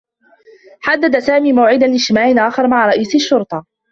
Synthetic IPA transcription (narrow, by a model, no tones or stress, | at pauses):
ħad̪ːad̪asaːmiːmawʕɪd̪anlɪʃtɪmaːʕɪnʔaːxɑɾˤmaʕɾˤɑʔiːsaʃːʊɾt̪ˤɑ